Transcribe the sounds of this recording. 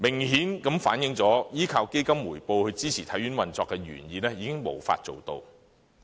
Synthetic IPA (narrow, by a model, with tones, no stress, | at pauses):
mɪ˨˩ŋhiː˨˥nkɐ˨˥mfa̰ː˨˥njɪ˨˥ŋt͡sɔː˨˥jiː˥kʰaː˧wke˥jkɐ˥mːuː˨˩jpo˧whɵ˧ɥt͡siː˥t͡sʰiː˨˩t̪ʰɐ˨˥jɥy˨˥nwɐ˨nt͡sɔː˧kːɛ˧ɥy̰ː˨˩njiː˨˧nɛː˥jiː˨˧kɪ˥ŋmo̰˨˩wfa̰ː˧t̚t͡so˨wt̪o̰˧w